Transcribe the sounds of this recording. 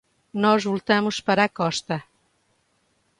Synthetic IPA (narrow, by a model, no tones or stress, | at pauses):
nɔzvulˠt̪amuspɐɾakɔʃt̪ɐ